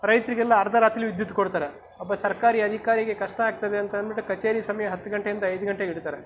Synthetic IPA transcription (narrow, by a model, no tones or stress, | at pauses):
ɾɐjt̪ɾiɡɛlːɐːɾɐd̪ɐɾaːt̪ɾiluʋid̪jut̪ːukoɽt̪aːɾe | ɐbɐsɐɾkaːɾiɐd̪ʱikaːɾiɡe̞kɐʂʈɐaːɡ̚t̪ɐd̪eɐnt̪ɐɐnbiʈːukɐt͡ʃeːɾisɐmɐjɐɦɐt̪ːuɡɐɳʈejind̪ɐɐjd̪uɡɐɳʈeiɽt̪aːɾe